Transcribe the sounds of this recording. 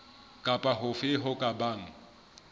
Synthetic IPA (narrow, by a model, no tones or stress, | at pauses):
kʼapʼaɦʊfɪɦʊkʼabaːŋ̩